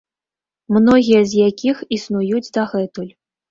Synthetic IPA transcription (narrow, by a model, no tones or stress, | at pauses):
mnɔɣʲijɐzʲjakʲixisnujud͡zʲd̪aɣɛt̪ulʲ